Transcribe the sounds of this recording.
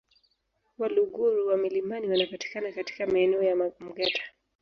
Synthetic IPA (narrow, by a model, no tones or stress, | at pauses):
waluɡuɾuwamilimbaniwanapati̥kanakati̥kamaɛnɛɔjam̩ɡatʰḁ